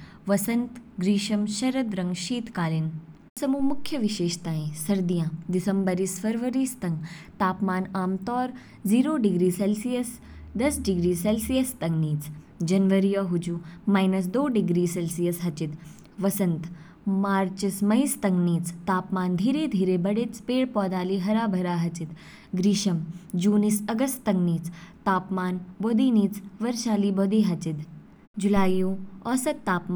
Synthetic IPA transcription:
ʋɐsɐnt̪ɡɾiːʃɐmʃɐɾɐd̪ɾɐ̃ŋɡʃiːt̪kaːlin | sɐmuːmʊkʰːjɐʋiʃeːʃt̪aːẽsɐɾd̪ijãːd̪isɐmbəɾisfɐɾʋɐɾiːst̪ɐŋɡt̪aːpmaːnaːmt̪ɔːɾ | ziːɾoːɖiɡɾiːselsijɐs | d̪ɐsɖiɡɾiːselsijɐst̪ɐŋɡniːt͡s | d͡ʒɐnʋɐɾijɐɦud͡ʒumaːjnɐs̬d̪oːɖiɡɾiːselsijɐsɦɐt͡ʃit̪ | ʋɐsɐnt̪ | maːɾt͡ʃismɐjst̪ɐŋɡniːt͡st̪aːpmaːnd̪ʱiːɾeːd̪ʱiːɾeːbɐɽet͡speːɽpɔːd̪aːliːɦɐɾaːbʱɐɾaːɦɐt͡ʃit̪ | ɡɾiːʃɐmd͡ʒuːnisɐɡɐst̪t̪ɐŋɡniːt͡st̪aːpmaːnboːd̪iːniːt͡sʋɐɾʃaːliːboːd̪iːɦɐt͡ʃit̪ | d͡ʒulaːjjoːɔːsɐt̪t̪ːaːpm

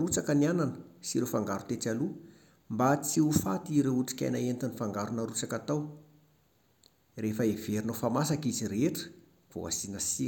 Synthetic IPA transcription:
ɾut͡sakəniananəsiɾefaŋɡaɾut̪et͡salu | mbat͡siufat̪iɾeuʈ͡ʂi̥kʲa̰jnaent̪anifaŋɡaɾunaɾut͡sakat̪aw | refəeveɾinofamasakiziɾeʈ͡ʂə̥ | v̥o̰a̰sinasi

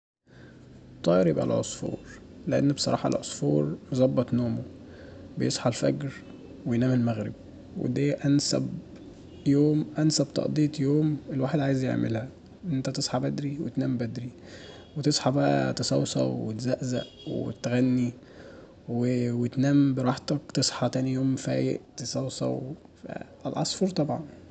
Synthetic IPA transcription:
t̪ˤːɑːjɾebʔa̰læ̰ʕosˤfo̰ːɾˤ | leʔḛnːbsˤɑɾˤɑ̰ːħɑlʕosˤfoːɾˤjzˤɑbːɑt̪ˤnoːmo | bejesˤħɑlfæɡɾ | wejnæːmelmæɣɾḛb̚ | wḛd̪æːʔænsæ̰b | joːmʔænsæbt̪ˤɑ̰ʔd̪ˤiːt̪ˤjoːmelwaːħed̪ʕaːjezjḛʕmḛlhæ | ʔent̪æt̪esˤħɑbæd̪ɾiwḛt̪næːmbæd̪ɾi | wet̪esˤħɑbæʔæ̰t̪esˤɑ̰wsˤɑ̰wwet̪zæʔzæ̰ʔ | wḛt̪ɣænːi | wewet̪næːmbeɾˤɑːħt̪ɑkt̪esˤħɑt̪æːnijoːmfæːjḛʔt̪esˤɑwsˤɑ̰w | fæ̰ʔælʕɑsˤfoɾˤt̪ˤɑbʕɑ̰n

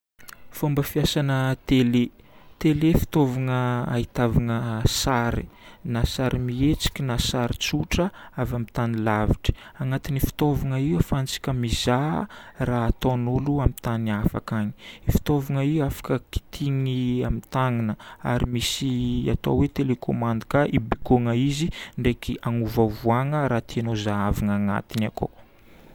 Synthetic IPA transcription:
fombəfiasanət̪ele | t̪elefi̥t̪ovaŋəa̰it̪avaŋəsaɾḭnasaɾʔimiet͡si̥kʲinasaɾit͡suʈ͡ʂəavamit̪anilaviʈ͡ʂə̥aŋat̪inifi̥t̪ovaŋəiwafant͡si̥kʲəmizaraːt̪onuluamit̪anafa̰kaɲi̥ifi̥t̪ovaŋəiwafḁkəki̥t̪ʰiŋiamit̪aŋinəa̰ɾimisia̰t̪o̰wet̪elekʰomand̪ikaʔibikoŋəiziɳɖ͡ʐekiʔaŋuvavuaŋəɾaːt̪ianozaavaŋaŋa̰t̪inakʰo̰

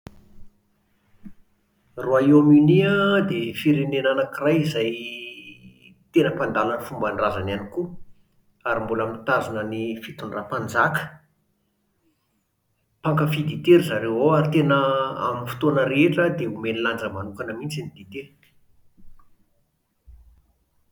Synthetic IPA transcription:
roaiaminiad̪efiɾenenanakirajizaj | t̪enəpand̪alanifumbaɳrazananiku | aɾimbulamint̪azunənifit̪unrapand͡zakə̥ | paŋkəfid̪it̪eɾizaɾewɦoaɾit̪enəa̰minfi̥t̪onəɾeeʈ͡ʂəd̪eumeniland͡zəmanukanəmint͡sinid̪it̪e

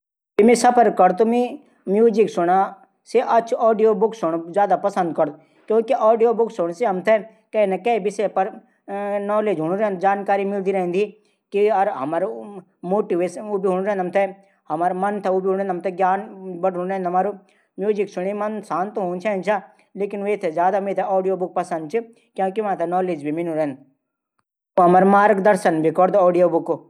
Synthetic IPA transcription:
t̪imesɐpʰəɾɐɾt̪umi | mjuːziksʊɽa | seʔɐt͡ʃʰɔːɖijobʊksʊɽ̃zjaːd̪apɐsə̃nd̪̚kɐɾd̪ | kjõːkiʔɔːɖijobʊksʊɽ̃seɦɐmt̪ʰɛ | kɛnɐkɛbʱisepɐɾ | nɔːleːd͡ʒɦʊɳ̃ɾend͡ʒaːnkaːɾimɪld̪iɾɐɦĩnd̪i | kiɐɾɦɐmaːɾ | moːʈiʋesubiɦuɽ̃ɾɛ̃ɦnd̪ɐmt̪ʰɛ | ɦɐmaːɾmɐnt̪ʰɛuːbʱiɦũnɾẽnd̪ɦɐmt̪ʰɛɡʲjaːnbɐʈɦuɽ̃ɾɛɦnd̪ɦɐmaːɾu | mjuːd͡ʒiksʊɽ̃imɐnsãːnt̪uɦũːnt͡ʃʰɛ̃ːnt͡ʃʰaː | leːkinʋeːt̪ʰezjaːd̪ameːt̪ʰeɔːɖijoːbʊk̚pɐsɐ̃nd̪̚t͡ʃʰɨ | kjõːkiʋãːt̪ʰɐnɔːleːd͡ʒbʱimɪnũɾɐɦnd̪ | uɦɐmɐɾmaːɾkd̪ɐɾsənbikɔːɾd̪ɔːɖijoːbʊku

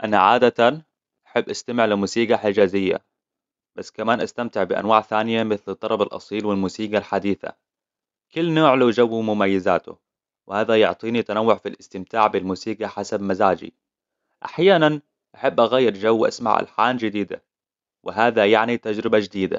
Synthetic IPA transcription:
ʔanaʕaːd̪at̪an | ʔaħabːʔast̪amɪʕlɪmuːsiːɡaħɪd͡ʒaːzɪjːa̰ | b̥asːkamaːnʔast̪amt̪ɪʕbɪʔa̰nwaːʕθaːnɪjamɪθlɨt̪ˤːɑɾˤɑbɑlʔɑ̰sˤiːlwɪlmuːsiːɡalħad̪iːθa̰ | kʊlːnoːʕlud͡ʒawːimʊmajːɪzaːt̪ʊ̰ | wɪhaːðajʊʕt̪ˤiːnit̪anawːʊʕfilɪst̪ɪmt̪aːʕbɪlmuːsiːɡaħasabmazaːd͡ʒḭ | ʔaħjaːnan | ʔaħabːʔaɣaːjːɪɾʒawːʔa̰sma̰ʕa̰lħa̰ːnd͡ʒɪd̪iːd̪a̰ | wʔɪɦaːðajaʕnit̪ad͡ʒɾɪbad͡ʒɪd̪iːd̪a̰

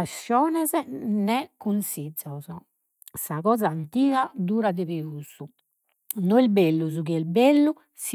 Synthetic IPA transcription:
asːjɔːnɛznɛkːunsid̪zɔzɔ | saɣɔːzaːnt̪iːɣad̪uːɾad̪ɛβiuzu | nɔɛlbelːuzukiɛlbelːu | s

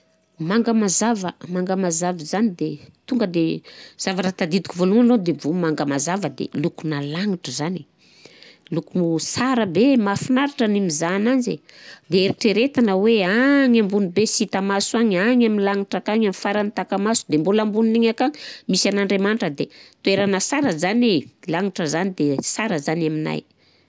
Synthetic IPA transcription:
maŋɡəmazavəmaŋɡəmazavizanid̪et̪uŋɡəd̪ez̥avaɾat̪ad̪id̪ikuvoluŋanod̪evomaŋɡəmazavəd̪ḛlukunalaŋiʈ͡ʂəzani | lukunusaɾəbemafinaɾaʈ͡ʂənimizananzḛd̪eeɾiʈ͡ʂeɾet̪anəweaŋambunibesit̪amasuaŋaŋaminlaŋiʈ͡ʂakaŋamifaɾanit̪akamasu̥d̪embulambuniniɲakaŋmisanaɳɖ͡ʐemaniʈ͡ʂəd̪et̪ueɾanəsaɾəzanelaŋiʈ͡ʂəzanid̪esaɾəzanamina̰j

